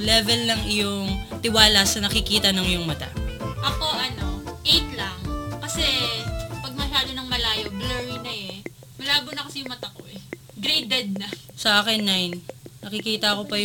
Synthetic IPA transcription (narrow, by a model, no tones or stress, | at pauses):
lɛvɛlːɐŋɪjʊŋt̪ɪwaːlɐsɐnɐkɪkiːt̪ɐnɐŋjʊŋmɐt̪a̰ʔɐko̞ʔɐno̞ʔejt̪lɐŋkɐsɛpɐɡ̚mɐʃaːd̪o̞nɐŋmɐlaːjo̞blɛɹinɐɛ | mɐlaːbʊnɐkɐsɛjʊŋmɐt̪ɐko̞̰ʔɛ | ɡɾejd̪ɛd̪̚nɐ | sɐʔaːkɛnːajnnɐkɪkiːt̪ɐɐko̞pɐj